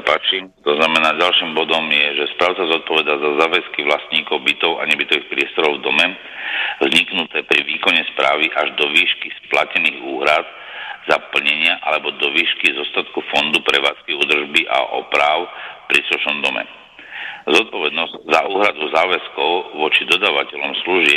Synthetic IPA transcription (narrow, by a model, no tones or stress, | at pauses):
sapaːt͡ʃiːmt̪ɔznamɛnaːɟalʃiːmbɔd̪ɔmjɛʒɛspɾaːʊt͡sazɔt̪̚pɔʋɛd̪azazaːʋɛskiʋlast̪ɲiːkɔʊbit̪ɔʊa̰ɲɛbit̪ɔʋixpɾɪɛst̪ɔɾɔʊvd̪ɔmɛ | vzɲiknut̪ɛːpɾiʋiːkɔɲɛspɾaːʋiʔaʒd̪ɔʋiːʃkisplacɛniːɣuːɦɾad̪ | zapl̩ɲɛɲɪaʔalɛbɔd̪ɔʋiːʃkizɔst̪at̪kufɔnd̪upɾɛʋaːt͡skɛud̪r̩ʒbiʔa̰ʔɔ̰pɾaːʊpɾisluʃnɔmd̪ɔmɛ̰ | zɔt̪̚pɔʋɛd̪nɔzzaʔuːɦɾad̪uzaːʋɛskɔʊʋɔt͡ʃid̪ɔd̪aːʋacɛʎɔmsluʒɪɛ